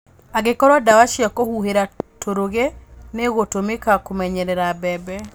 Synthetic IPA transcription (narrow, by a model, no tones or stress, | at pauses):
aɣekɔɾwadawaʃiakohuheɾatʰoɾoɣeneɣotomekakomɛɲɛɾɛɾabɛbɛ